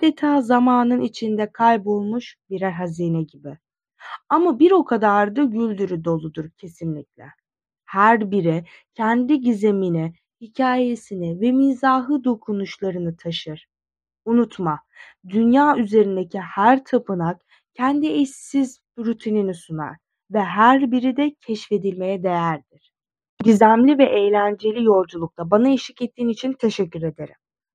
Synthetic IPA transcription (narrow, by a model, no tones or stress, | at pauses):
d̪̥et̪ʰaːzamaːnɯnit͡ʃʰind̪ɛkʰajpo̞lˠmuʃbiɾɛɾɦaziːnɛɟibi | amabiɾo̞kʰad̪aɾd̪ɯɟylʲd̪yɾyd̪o̞lˠud̪uɾcʰe̞sinlʲiclʲɛ̰ | hæɾbiɾi | cʰɛnd̪iɟizemini | hicʰaːje̞sinivɛmizaːɦɯd̪o̞kʰunuʃlˠaɾɯnɯt̪ʰaʃɯɾ̥ | unut̪ʰma | d̪ynjaːyze̞ɾind̪ecʰihæɾt̪ʰapɯnak | cʰɛnd̪iɛssizbɾyt̪ʰininisuna̰ɾ̥ | vɛɦæɾbiɾid̪ɛcʰɛʃfe̞d̪ilʲme̞jɛd̪e̞jæɾd̪iɾ̥ | ɟizæmlʲivɛʔejlʲænd͡ʒe̞lʲijo̞lˠd͡ʒulˠuk̚t̪ʰabanaeʃi̥cɛt̪ʰːiːnit͡ʃʰint̪ʰe̞ʃɛcʰːyɾe̞d̪e̞ɾim